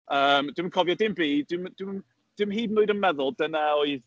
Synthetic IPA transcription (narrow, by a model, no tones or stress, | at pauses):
əːmd̥ɪmənkʰɔvjɔdɪmbiːdwɪmd̥wɪm | d̥ɪmɦiːbnʊɨdənmɛðʊlˠdənaoɨð